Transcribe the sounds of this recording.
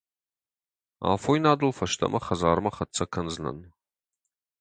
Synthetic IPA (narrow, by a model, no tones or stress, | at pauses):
a̰ːfoinaːdɨlfɐʃt̪ʰɐ̰mʔɐχɐzaːɾɨmɐχɐt͡sʰɐkʰɐnznɐ̰n